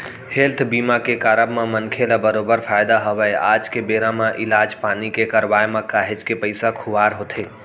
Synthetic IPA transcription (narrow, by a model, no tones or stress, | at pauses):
helt̪ʰbiːmakekaːɾəbmãmənkʰelabəɾoːbəɾfʰaːɪd̪aɦəʋəeaːd͡ʒkebeːɾãmãʔɪlaːd͡ʒpaːnikekəɾʋaːemãkaːɦed͡ʒkepəɪsakʰʊʋaːɾɦoːt̪ʰeː